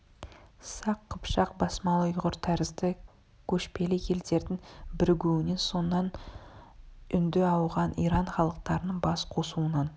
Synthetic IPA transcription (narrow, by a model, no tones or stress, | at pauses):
sɑqʰːəpʃɑqbɑsmɑlˠəjʊʁəɾt̪ʰæɾɪzd̪ɪ | kʲʰɵʃpe̞lɪkʲʰe̞ld̪e̞ɾd̪ɪŋbɪɾɡʲɵwɪne̞nso̞nːɑn | ʏnd̪ɪɑwʁɑnijɾɑɴχɑlˠəq̚t̪ɑɾənəɴbɑsqʰo̞suənɑn